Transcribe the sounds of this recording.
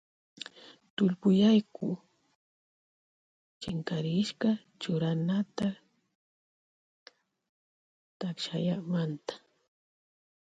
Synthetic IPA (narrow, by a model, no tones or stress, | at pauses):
t̪ʊʎpʊjajkʊ | t͡ʃɪŋkaɾɪʃkɑ | t͡ʃʊɾanat̪a | t̪akʃajamant̪ḁ